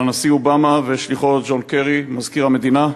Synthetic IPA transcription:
anasiobamaveʃliχo̞td͡ʒo̞nkeʁimazkiʁame̞d̪ina

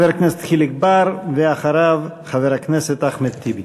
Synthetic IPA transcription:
veɾhakneset̪χiliɡbaɾveaχaɾavχaveɾhakneset̪aχmet̪ːibi

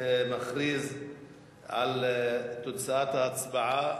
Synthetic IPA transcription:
maxɾiːz | ʕalt̪ʊd̪t͡saʔat̪haat͡sbaʕa

